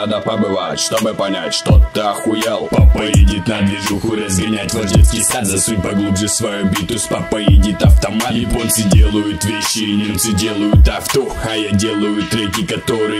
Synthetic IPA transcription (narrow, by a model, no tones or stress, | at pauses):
ad̪əpɐbɨvatʲʂt̪obɨpɐnʲatʲʂt̪ot̪ːɐxʊjɛlˠpɐpɐjɛdʲit̪nɐd̪vʲɪʐuxʊɾɐzɡɐnʲatʲvɐʒʲɛskʲɪsazɐsɨpɐɡud̪zɨsvɐjobʲit̪uspɐpɐjɛdʲit̪ɐft̪ɐmaiponsɨdʲelˠəjʊt̪vʲeɕːɪnʲunsɨdʲelˠəjʊt̪aft̪oɐjadʲelˠəjʊt̪ːɾɛkʲikɐt̪oɾɨ